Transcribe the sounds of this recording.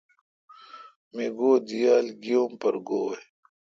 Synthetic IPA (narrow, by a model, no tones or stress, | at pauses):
meːɡoːd̪ijaːlɡijoːmpɐɾɡoːe